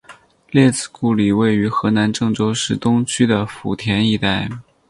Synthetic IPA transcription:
ljɛ˥˩t͡sɹ̩˥˩ku˥˩li˨˩we˥˩ɪy˧˥xɤ˧˥na˧˥nʈ͡ʂɤ˥˩ŋʈ͡ʂo˥ʊʂɻ̩˥˩t̪ʊ˥ŋt͡ɕʰy˥d̪ə˨fṵ˨˩t̪ʰjɛ˧˥ni˥˧t̪a˥˩ɪ

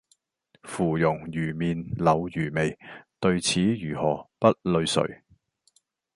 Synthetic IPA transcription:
fuː˨˩jʊ˨˩ŋjyː˨˩miː˨nlɐ˨˧wjyː˨˩me˨˩jt̪ɵ˧ɥt͡sʰiː˨˥jyː˨˩hɔː˨˩pɐ˥t̚lɵ˧ɥsɵ̰˨˩ɥ

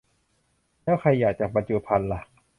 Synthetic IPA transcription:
lɛː˦˥˩wxʰa˧jːaː˨˩k̚t͡ɕa˨˩k̚pa˧nt͡ɕu˧˩pʰa˧nla˧˩

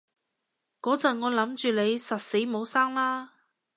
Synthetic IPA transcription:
kɔː˨˥t͡sɐ˨ŋɔː˨˧lɐ˨˥mt͡ʃyː˨le˨˧jsɐ˨t̚se˨˥jmo˨˧wsaː˥ŋlaː˥

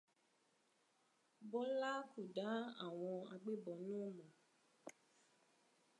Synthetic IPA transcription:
bɔ˦la˦ku˨da˨˦a̰˦˨w̃ɔ̃˧a˧ɡ͡be˦bɔ˨nũ˦˨mɔ̃˨

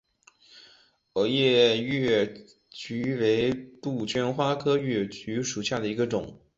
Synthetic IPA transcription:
ɤ˨˩jɛ˥˧ɥɛ˥˩ | t͡ɕy˧˥we˧˥ɪt̪u˥˩t͡ɕʰɥɛ˥nxwa˥kʰɤ˥ɥɛ˥˩t͡ɕy˧˥ʂu˨˩ɕja˥˩d̪ə˩i˧˥ɡə˧ʈ͡ʂʊ̰˨˩˦ŋ

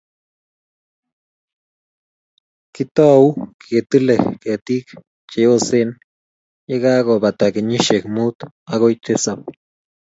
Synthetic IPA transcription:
ki˦t̪o˦wkje˨t̪ɨ˦le˨kke˨t̪i˦k | t͡ʃe˨jo˦se˦n | ja˦ɡa˦ɡo˨ba˨t̪a˨ɡe˨ɲi˦ʃe˨kmu˦t̪ | a˧ɡo˦jt̪e˦sa˨b

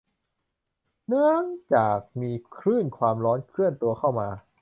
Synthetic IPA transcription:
nɯ˥˩əŋt͡ɕaː˨˩k̚miː˧kʰɾɯː˥˩nkʰwaː˧mɾɔː˦˥nkʰɯ˥˩ənt̪u˧ɐkʰa˥˩wmaː˧

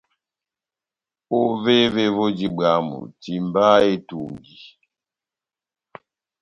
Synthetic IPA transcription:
o˦ve˦ve˦vo˦d͡ʒi˦ba˨˦mṵ˨ti˨m˦ba˦e˦tu˨ŋ˨ɡi˨

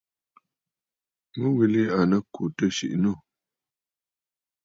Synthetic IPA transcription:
mə˦wi˨li˦a˨nə˦kʰu˨tə˦ʃḭ˨ʔnu˦˨

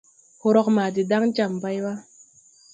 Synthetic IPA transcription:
ho˨ɾɔ˦k̚maː˨di˨da˦ŋt͡ʃa˨mba˦jwa˦

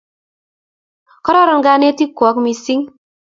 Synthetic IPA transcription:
kɔ˦ɾɔ˦ɾɔ˨nɡa˨˧ne˦ti˦kːɔ˨˦kmi˨si˦ŋ

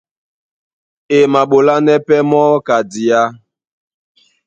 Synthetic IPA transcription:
e˨ma˨ɓo˨la˦nɛ˦pɛ˦mɔː˦ka˨di˨a˦

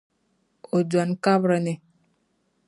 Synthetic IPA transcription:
o˨d͡ʒwa˨nka˦bɾə˨ne˨

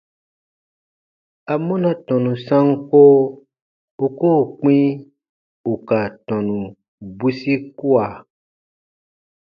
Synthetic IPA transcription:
a˨mɔ̃˦nã˨tɔ̃˨nũ˨sã˦ŋ̩˦ko˦ | o˨ko˦˨k͡pĩ˦ | u˨ka˨tɔ̃˨nũ˨ | bu˦si˦ku˦a˨

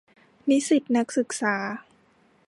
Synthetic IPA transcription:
ni˦˥si˨˩t̪̚na˦˥k̚sɯ˨˩k̚saː˩˦

